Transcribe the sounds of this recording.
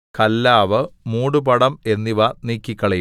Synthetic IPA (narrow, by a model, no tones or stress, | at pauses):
kɐlːaːʋɨmuːɽupɐɽɐme̞nːiʋɐniːkʲːikʲːɐɭe